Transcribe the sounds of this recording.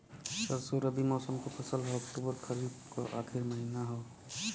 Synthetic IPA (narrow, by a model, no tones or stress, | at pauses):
səɾsoɾəbimɔːsəmkopʰəsəlɦɔɔkʈubəɾkʰəɾid̪kɔ̰ʔa̰kʰiɾməɦinaɦoː